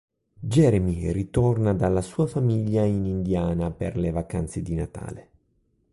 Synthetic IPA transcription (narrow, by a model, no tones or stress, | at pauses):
d͡ʒɛɾemirit̪ɔrnad̪alːasuːafamiʎːainind̪jaːnapḛrlevaka̰nt̪sed̪inat̪a̰ːle